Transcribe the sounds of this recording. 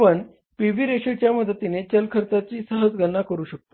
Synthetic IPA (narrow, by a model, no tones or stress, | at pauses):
pəɳ | pibiːɾeɕət͡ɕjaməd̪ʱət̪inet͡ɕəlkʰəɾt͡s̪at͡ɕiːsaɦət͡sɡʱənːakəɾuːɕək̚t̪o